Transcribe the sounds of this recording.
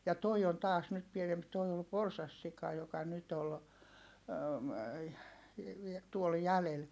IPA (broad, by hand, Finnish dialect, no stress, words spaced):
jɑ toi on tɑːs nyt pienemp toi ol porsɑsːikɑ jokɑ nyt ol tuol jælel